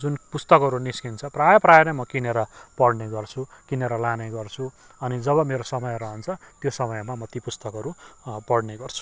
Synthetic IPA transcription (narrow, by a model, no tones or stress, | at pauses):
d͡zunpust̪ʌkʌɾuniskint͡sʰʌprajʌprajʌnʌmʌkineɾʌpʌɽneɡʌrt͡sʰukineɾʌlaneɡʌrt͡sʰu | ʌnid͡zʌβʌmeɾosʌmʌjɾʌɦʌnt͡sʰʌt̪josʌmʌjmamʌt̪ipust̪ʌkʌɾupʌɽneɡʌrt͡sʰu̥